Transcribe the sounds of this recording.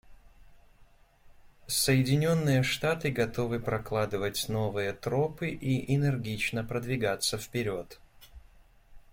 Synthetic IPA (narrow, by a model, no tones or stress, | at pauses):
səjɪdʲɪnʲo̞nːɨjəʂt̪at̪ɨɡɐt̪o̞vɨpɾɐklˠad̪ɨvətʲno̞vɨjət̪ɾo̞pɨʔiʔɪnɨrɡʲit͡ɕnəpɾəd̪vʲɪɡat̪səfpʲɪɾʲo̞t̪